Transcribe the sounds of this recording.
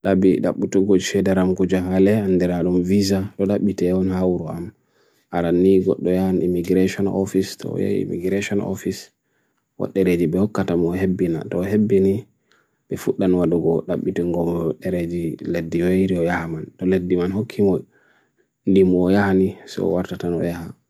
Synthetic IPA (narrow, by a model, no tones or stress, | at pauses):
ɗabiɗa̰ɓutɔɡod͡ʒfɛdaɾamkud͡ʒahalɛandɛɾaɗumvizaɗɔɗaɓːitɛɔnhawɾɔam | ʔaɾanːiɡɔ̰ɗːɔjahanimiɡɾeʃɔnɔ̰fistɔ̰ja̰ḭmḭɡɾeʃɔnɔ̰fis | wɔ̰ɗːɛɾed͡ʒiɓɛhɔkːatamɔɦebːina̰tɔɦebːini | bɛfuɗːanwaduɡɔɗaɓːitiŋɡɔmɔɗːɛɾed͡ʒiledːiejɾiɔjahamantɔledːimanhokʰːimɔj | ndimuɔjahanisɔ̰waɾtatanɔ̰jaha